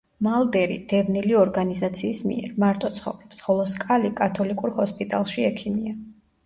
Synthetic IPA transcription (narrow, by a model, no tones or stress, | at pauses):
malˠd̪ɛɾḭd̪̥ɛvniliɔɾɡanizat̪sʰiːsmḭɛ̰ɾmaɾt̪ʼɔt̪sʰχɔ̰vɾɛpsχɔlˠɔskʼalikʼat̪ʰɔlikʼuɾhɔspʼit̪ʼa̰lˠʃiɛkʰimia